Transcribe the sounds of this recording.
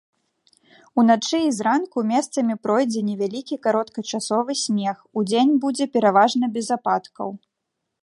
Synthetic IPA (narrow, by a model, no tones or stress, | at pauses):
unat͡ʂɨːzɾankumʲɛst̪sɐmʲipɾɔjd͡zʲɛnʲɛvʲalʲikʲikaɾɔt̪kɐt͡ʂasɔvɨsʲmʲɛxud͡zʲenʲbud͡zʲɛpʲɛɾavaʐnɐbʲɛzapat̪kɐ̰w